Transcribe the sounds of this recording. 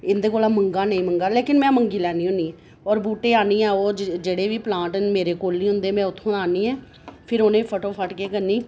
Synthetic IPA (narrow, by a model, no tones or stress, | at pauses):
ɪnd̪eːkoːlaːməŋɡaːnəĩːməŋɡaːleːkɪnmɛ̃ːməŋɡiːlɛːniːɦʊ̃niː | ɔːɾbuːʈeːaːniːɛːoːd͡ʒeːɽeːʋiːplãːʈnmeːɾeːkoːlnĩːɦʊ̃nd̪eːmɛ̃ːʊt̪ʰːõaːniːɛ̃ː | pʰɪɾoːnẽːpʰəʈoːpʰəʈkeːkəɾniː